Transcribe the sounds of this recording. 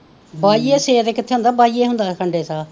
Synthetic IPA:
baːieːseːɾeːkɪt̪ʰːeːɦʊnd̪aːbaːieːɦʊnd̪aːkʰəɳɖeːsaː

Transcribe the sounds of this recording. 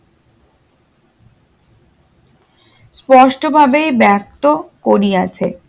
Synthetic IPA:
spɔʃʈobʱabejbɛk̚t̪okoɾiat͡ɕʰe

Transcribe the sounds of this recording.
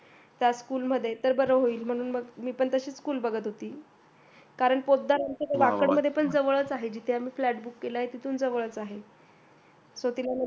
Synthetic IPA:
t̪jaskuːlm̤əd̪ʱːjet̪əɾbəɾəɦoiːlm̤əɽ̃uːnməɡmiːpəɳt̪əɕiːskuːlbəɡʱət̪ɦot̪iː | kaɾəɳpod̪ːaɾənt̪əɾʋakəɳməd̪ʱːjepəɳd͡zəʋəɭət͡saɦed͡ʑit̪ʰeamiːflæʈ̚bukːeləaɦet̪it̪ʰuːnd͡zəʋəɭət͡saɦe | sot̪ilam

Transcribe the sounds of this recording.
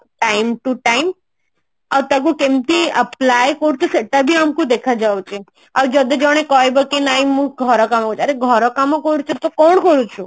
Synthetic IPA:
ʈaimʈuʈaim | aʋt̪aɡũkẽmt̪iəplajkɔɾut͡ʃʰuseʈabʱiamkũd̪ekʰad͡ʒaot͡ʃʰe | aʋd͡ʒəd̪ed͡ʒɔɽ̃ekɔjbəkenaimũɡʱɔɾɔkamokɔɾut͡ʃʰəɾeɡʱɔɾɔkamokɔɾut͡ʃʰut̪okɔɳ̃kɔɾut͡ʃʰu

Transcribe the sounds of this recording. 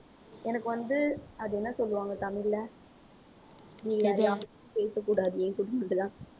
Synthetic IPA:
ɛnɐkːɯʋɐnd̪ɯɐðɯɛnːɐsɔlːɯʋaːŋɡɐt̪ɐmɪlːɐ | niːɡɐɐɾðɐɐ | peːsɐkːuːɽaːðɯɛ̃kʊʈːɯmɐnɖɯðãː

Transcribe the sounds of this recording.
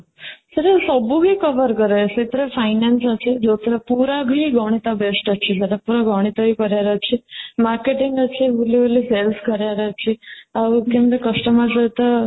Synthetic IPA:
səʈasəbuɦikəʋəɾkəɾajsit̪ɾefajnansəsed͡zot̪ɾəpuɾaɡʱiɡʱɔɳ̃it̪abesʈət͡ɕʰisəʈapuɾaɡʱɔɽ̃it̪aɦikəɾjaɾət͡ɕʰimaɾkeʈiŋɡət͡ɕʰiʋililiselskəɾjaɾat͡ʃʰiakĩmd̪ekəsʈəmasət̪ə

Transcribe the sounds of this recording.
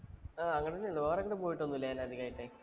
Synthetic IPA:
aːɐŋːɐɽet̪ɐnːelooːrɐŋːɐɽepoːjiʈːonːuilːɐjaːnɐðikaːjiʈːe

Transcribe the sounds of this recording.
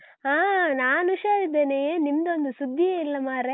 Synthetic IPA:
aːnaːnuʂaːɾid̪ːeːnejeːnimːɐd̪ond̪usud̪ʱːieːilːɐmaːɾe

